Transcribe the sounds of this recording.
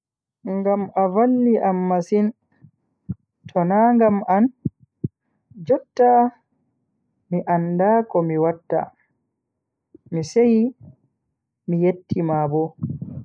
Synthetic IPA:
ŋɡamavalːiʔamːasin | tʰɔnaŋɡaman | d͡ʒɔtːa | miʔandakɔmiwatːa̰ | miseji | mijetːimabɔ

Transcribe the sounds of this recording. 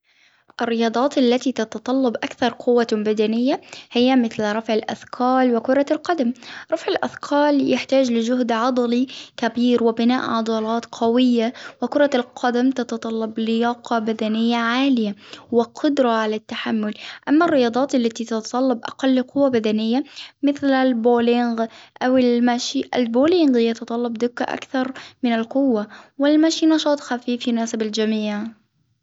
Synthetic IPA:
ʔɪrːɪjɑːd̪ˤɑːt̪alːat̪it̪ɑt̪ɑt̪ˤɑlːɑbʔakθɑɾˤqʰʊwːabad̪anɪjːahɪjːamɪθlɾˤɑfʕɪlʔa̰θkʰɑːlwɪkʊɾˤɑlqɑd̪amɾˤɑfʕɪlʔa̰θkʰɑːljɪħt̪aːd͡ʒlɪd͡ʒʊɦd̪ʕɑd̪ˤɑlikabiːɾwɪbɪna̰ːʔʕɑd̪ˤɑːlɑːt̪qʰɑwɪjːawɪkʊɾˤɑlqʰɑd̪amt̪ɑt̪ɑt̪ˤɑlːɑblɪjɑːqɑbad̪anɪjːaʕaːlɪjawɪqʰʊd̪ɾˤɑʕalat̪ːaħamːʊlʔamːarːɪjɑːd̪ˤɑːt̪alːat̪it̪ɑt̪ɑt̪ˤɑlːɑbʔɑ̰qɑlːqʊwːabad̪anɪjːamɪθlalboːlɪŋɡʔawɪlmaʃiʔalboːlɪŋɡjat̪ɑt̪ˤɑlːɑbd̪ʊkːa̰ʔa̰kθɑɾˤmɪnɪlqʊwːawɪlmaʃinɑʃɑːt̪ˤxafiːfjʊnaːsɪbald͡ʒamiːʕ

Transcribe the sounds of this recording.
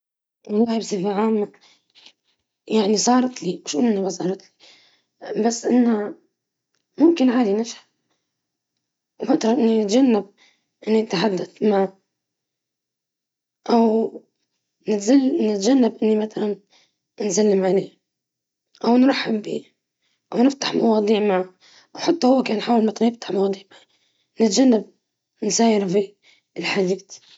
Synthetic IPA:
wɑlˤːɑːhibsˤɪfaʕaːmːa | jaʕnisˤɑːɾˤt̪limʊʃʔunʔɪnːamɑs̬ˤɑːɾˤɑt̪li̥ | basːʔɪnːa | mʊmkɪnʕaːd̪inɪʃħḁ | wmat̪ɾˤɑʔɪnːinɪt̪ʒanːab̚ | ʔɪnːit̪ħad̪ːaθma | ʔaw | nznɪt̪d͡ʒanːabʔɪnːimaθalan | nzalːɪmʕaleː | ʔawnɾˤɑħːɪbːḭː | ʔawnɪft̪ḁħmɑwɑːd̪ˤiːʕmaʕ | ʔawħɑt̪ˤːhʊwːakaːnħaːwɪlmat̪ˤjɪft̪ḁħmɑwɑːd̪ˤiːʕmaʕ | nɪt̪d͡ʒanːab | nsaːjɪɾfi | lħad̪iːd̪

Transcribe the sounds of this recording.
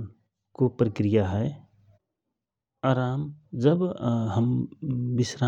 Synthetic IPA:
kopɾəkɾijaɦɛ | aːɾaːmd͡ʒəbɦəmbɪsɾa

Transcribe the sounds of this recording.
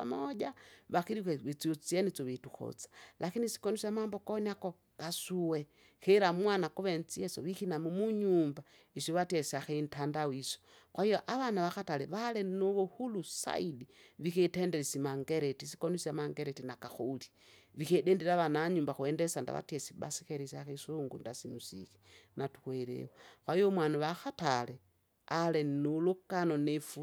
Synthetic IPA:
amaʄaβaxiɾikweβet͡siot͡sienit͡soβetuxo̰t͡sḁlakinisi̥konusamaːmbokoniako | kasuwe | xeɾamwanakuβent͡sijesoβixinamumuɲumba | isoβatesiaxentandawiso̥ | kwahijoʔaβanaβaxatalɛβalenoβohulusa̰idiβixeteːndeɾesimaŋɡeɾetisi̥konusamaŋɡeɾetinakaxoli̥ | βixedeːndiɾaβanaɲuːmbaxweːndesanda̰βa̰tjesiβa̰si̥xeɾisaxesoŋɡundasinusḭxi̥natu̥xweɾḛwoxwaijomwanuβaxatale | alenulukanonefu

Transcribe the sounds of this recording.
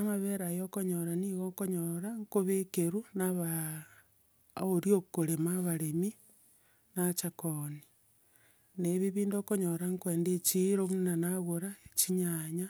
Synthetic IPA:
amaβeɾajokoɲoɾaniɣokoɲoɾaŋkoβekeɾunaβa | oɾiokoɾemaβaɾemi | nat͡ʃakoni | neβiβiːndokoɲoɾaŋkweːndet͡ʃiɾomunanaɣoɾaet͡ʃiɲaɲa

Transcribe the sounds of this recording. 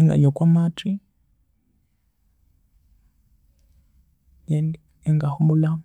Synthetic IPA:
eŋɡa̰ɲokwamatʰi | jeni | eŋɡahumulam

